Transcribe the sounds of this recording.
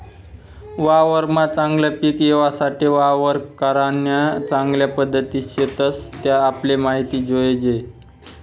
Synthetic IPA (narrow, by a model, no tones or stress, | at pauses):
ʋaʋəɾmat͡sãŋɡljapiːkjeʋasaʈiʋaʋəɾkəɾanjat͡saŋɡljapəd̪ʱːət̪iːɕet̪əst̪jaːplemaɦit̪iːd͡zoed͡ʑe